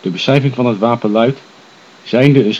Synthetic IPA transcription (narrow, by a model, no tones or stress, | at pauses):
d̥əbəsɛjvɪŋvɑnɦətʋaːpənlœɥt | z̥ɛjndəəns